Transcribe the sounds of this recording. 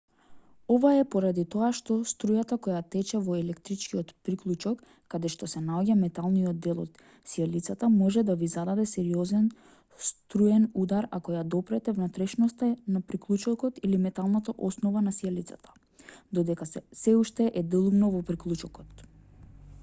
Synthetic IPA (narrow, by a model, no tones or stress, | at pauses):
ɔvaɛpɔɾad̪it̪ɔaʃt̪ɔst̪ɾujat̪akɔjat̪ɛt͡ʃɛvɔɛlɛkt̪ɾit͡ʃkiɔt̪pɾiklˠut͡ʃɔkː | ad̪ɛʃt̪ɔsɛnaɔɟamɛt̪alˠnijɔd̪ːɛlˠɔ̰t̪ | sialit̪sat̪amɔʒɛd̪avizad̪ad̪ɛsɛɾiɔzɛn | st̪ɾujɛnud̪aɾakɔjad̪ɔpɾɛt̪ɛvnat̪ɾɛʃnɔst̪anapɾiklˠut͡ʃɔkɔt̪ilimɛt̪alˠnat̪aʔɔsnɔvanasialit̪sat̪ʰḁ | d̪ɔd̪ɛkasɛuʃt̪ɛʔɛd̪ɛlˠumnɔvɔpɾiklˠut͡ʃɔkɔt̪